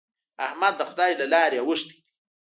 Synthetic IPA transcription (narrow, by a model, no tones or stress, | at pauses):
ahmad̪ːəxʊd̪aːilalaːɾjawəʂt̪i̥